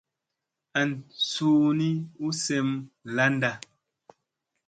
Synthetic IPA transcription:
a˨n˨suː˨ni˦u˦sɛ˦˨mla˦nda˨

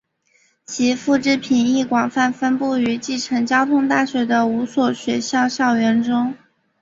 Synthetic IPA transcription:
t͡ɕʰi˧˥fu˥˩ʈ͡ʂɻ̩˥pʰi˨˩ni˥˩kwɑ˨˩ŋfa˥˩nfə˥npu˥˩y˧˥t͡ɕi˥˩ʈ͡ʂʰɤ˧˥ŋt͡ɕjɑ˥ʊt̪ʰʊ˥ŋt̪a˥˩ɕɥɛ˧˥d̪ə˧u˧˥swɔ˨˩ɕɥɛ˧˥ɕɑ˥˧ʊɕjɑ˥˩ʊɥɛ˧˥nʈ͡ʂʊ˥ŋ

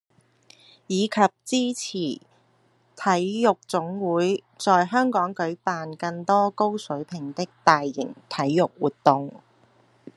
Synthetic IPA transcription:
jiː˨˧kʰɐ˨p̚t͡siː˥t͡sʰiː˨˩ | t̪ʰɐ˨˥jjʊ˨k̚t͡sʊ˨˥ŋwuː˨˥j | t͡sɔː˨jɦœː˥ŋkɔː˨˥ŋkɵ˨˥ɥpaː˨nkɐ˧ŋt̪ɔː˥ko˥wsɵ˨˥ɥpʰɪ˨˩ŋt̪ɪ˥k̚t̪aː˨jːɪ̰˨˩ŋt̪ʰɐ˨˥jːʊ˨k̚wuː˨˩t̚t̪ːʊ˨ŋ

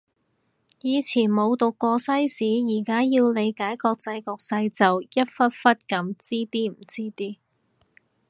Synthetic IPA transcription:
jiː˨˧t͡sʰiː˨˩nmo˨˧wt̪ʊ˨kːɔː˧sɐ˥jsiː˨˥jiː˨˩kaː˥jiː˧wle˨˧jkaː˨˥jkɔː˧k̚t͡sɐ˧jkɔː˧k̚sɐ˧jt͡sɐ˨wjɐ˥t̚fɐ˥t̚fɐ˥t̚kɐ˨˥mt͡siː˥t̪iː˥m̩˨˩t͡siː˥t̪iː˥

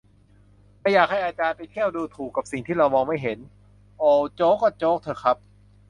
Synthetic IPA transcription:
ma˧˥˩jaː˨˩k̚ha˥˩jʔaː˧t͡ɕaː˧npa˧jt̪ʰi˥˩əwduː˧t̪ʰuː˨˩kːa˨˩p̚si˨˩ŋt̪ʰiː˥˩ɾa˧wmɔː˧ŋma˥˩jɦe˩˦n | ʔoː˧˩t͡ɕoː˦˥kːa˥˩t͡ɕoː˦˥k̚t̪ʰɤː˧˩kʰa˦˥p̚

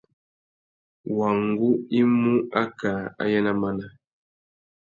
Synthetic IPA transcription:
wa˨ŋ˦ɡu˦i˦mu˦a˦ka˨a̰˦jɛ˦na˦ma˦na˦

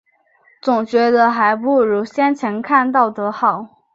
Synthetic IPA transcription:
t͡sʊ˨˩ŋt͡ɕɥɛ˧˥d̪ə˧xa˧˥ɪpu˥˩ɻu˧˥ɕjɛ˥nt͡ɕʰjɛ˧˥nkʰa˥˧nt̪ɑ˥˩ʊt̪ɤ˧˥xɑ˨˩˦ʊ

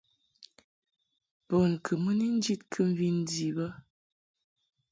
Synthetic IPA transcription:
bo˨n˨kʰɨ˨mə˦ni˦n̩˦d͡ʒi˦tkʰɨ˦m̩˦vi˦n̩˦di˨bə˦

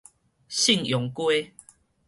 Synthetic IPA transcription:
ɕi˥˨ŋjɔ˨˦ŋkwe˦

